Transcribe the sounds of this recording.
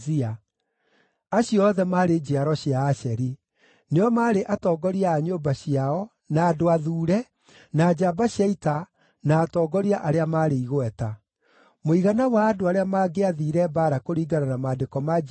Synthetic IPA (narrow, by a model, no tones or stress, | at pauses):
ia | aɕiɔðɛmaːɾed͡ʑeaɾɔɕiaːɕɛɾi | neɔmaːɾeʔatɔːɡɔɾiaːɲoːbaɕiaɔ | naːdoaðuːɾɛ | naːd͡ʑabaɕjaita | naːtɔːɡɔɾiaʔaɾeamaɾeiɣoɛta | moiɣanawaːdoaɾeamaːɡeaðiːɾɛbaɾakoɾiːɡananamaːdekɔma